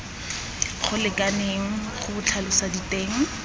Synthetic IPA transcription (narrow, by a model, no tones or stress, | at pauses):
χʊlɪkʼaneŋ̩χʊbʊt͡ɬʰalʊsaditeːŋ̩